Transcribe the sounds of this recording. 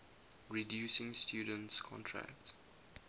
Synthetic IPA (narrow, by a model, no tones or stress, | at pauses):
ɹidjuːsɪ̃ŋstʰjuːdə̃ntskʰɔ̰̃ntʰɹæ̰kt